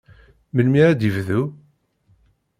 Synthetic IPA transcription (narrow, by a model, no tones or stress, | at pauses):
məlmiɾæd̪əvðu